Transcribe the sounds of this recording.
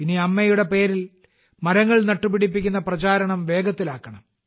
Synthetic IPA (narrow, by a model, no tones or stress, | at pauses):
piniɐmːɐjuɽe̞pe̞ːɾil | mɐɾɐŋːɐɭnɐʈːupːiɽip̬ːikʲːunːɐprɐt͡ɕaːɾɐɳɐmʋe̞ːɡɐt̪ːilaːkːɐɳɐm